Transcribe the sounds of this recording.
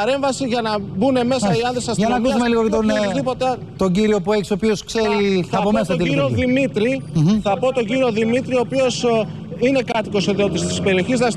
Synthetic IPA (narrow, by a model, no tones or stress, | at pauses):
ɐɾe̞ɱvɐsiʝɐnɐbune̞me̞sɐiɐnðɾesɐsʝɐnɐkusumeliɣot̪onozðipo̞t̪e | t̪o̞ɟiɾio̞pue̞çi̥sopioskseɾiθɐpomesɐt̪iiɾioðimit̪ɾiθɐpo̞t̪o̞ɲɟiɾio̞ðimit̪ɾio̞pio̞s | ine̞kɐt̪iko̞soðiot̪ist̪i̥spe̞ɾio̞çiznɐs